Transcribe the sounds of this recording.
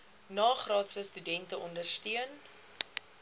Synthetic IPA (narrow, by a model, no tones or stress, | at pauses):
nɑːχrɑːtsəstydɛntəʔɔndərstiən